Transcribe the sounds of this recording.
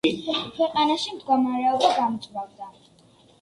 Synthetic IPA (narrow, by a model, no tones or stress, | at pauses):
kʰwɛqʼanaʃimd̪ɡɔmaɾɛɔbaɡamd̪zʼwavd̪a